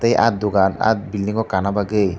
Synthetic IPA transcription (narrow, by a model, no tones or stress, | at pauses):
t̪ejʔa̰t̪̚d̪ʊɡana̰t̪̚bilːiŋɡɔkanabaɡej